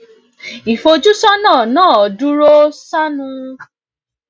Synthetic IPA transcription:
i˨fo˧d͡ʒu˦sɔ˦nãː˦˨nãː˦˨ɔ˨du˦ɾo˦sa˦nũ˦ɾ

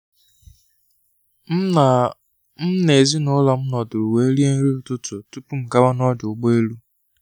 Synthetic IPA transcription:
m̩˦ne˨zi˦nʊ˦lɔ˨m̩˦nɔ˨dʊ˨ɾu˨we˦ɾi˦e˦n̩˦ɾi˦ʊ˨tʊ˦tʊ˨tu˦pu˦m̩˨ka˦ba˦nɔ˦d͡ʒʊ˨ɡ͡bo˦e˦lu˦

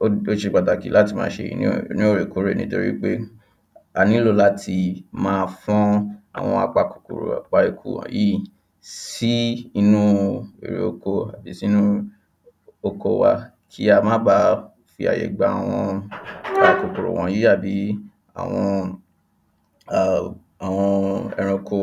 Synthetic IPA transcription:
o˦ʃe˧˨k͡pa˨da˨ki˨˦la˦ti˧mãː˧˦ʃe˧jḭ˧nĩ˦nĩ˦o˦˨ɾe˨ko˨˦ɾe˦˨nĩ˦to˧ɾḭ˦k͡pe˦ | a˨nĩ˦lo˦˧˨la˦tʰi˧mãː˧fɔ̃˦a̰˨w̃ɔ̃˧a˧k͡pa˧ku̥˨kṵ˨ɾo̰˨a˨k͡pa˧e˧kʰṵ˦˨wɔ̰̃˨ji˦ | si˦i˧nũ˦ḛ˨ɾḛ˨o˧ko˧a˨bi˨˦si˦nũ˦ | o˧ko˧wa̰˧ | kʰi˦a˧mãː˦ba˧˨ | fi˧a̰˨jḛ˨ɡ͡ba˨a˨w̃ɔ̃˧ | a˧ko˨ku˨ɾo̰˨w̃ʔɔ̃˨˦ji˦a˦˨bi˨˦ | a̰˦˨w̃ɔ̃˧˨ | a˨w̃ɔ̃˧ɛ˧ɾɛ̃˧ko˧

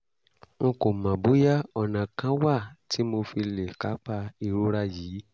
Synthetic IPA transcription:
ŋ̩̃˧ko˨mã˨bo˨˦ja˦ɔ˨nã˨kã˨˦wa˦˨ti˨˦mo˧fi˧le˨ka˨˦k͡pa˧i˧ɾu˦ɾa˧jiː˨˦

